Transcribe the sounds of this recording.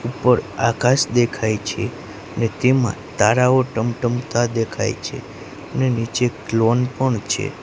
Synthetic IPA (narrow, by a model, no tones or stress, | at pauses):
upəɾakaʃd̪ekʰajt͡ʃʰe | ənet̪emã̰t̪aɾaoʈəmʈəmt̪ad̪ekʰa̰jt͡ʃʰḛ | ənenit͡ʃeklonpəɳt͡ʃʰḛ